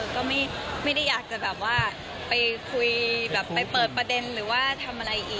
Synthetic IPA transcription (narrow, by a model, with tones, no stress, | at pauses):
ʔɤː˧kɔː˥˩ma˥˩jma˥˩jda˥˩jːaː˨˩k̚t͡ɕa˨˩bɛː˨˩p̚waː˥˩ | pa˧jkʰu˧jbɛː˨˩pːa˧jpɤː˨˩t̪̚pɾa˧de˧nɾɯː˩˦waː˥˩t̪ʰa˧mʔa˧ɾa˧jʔiː˨˩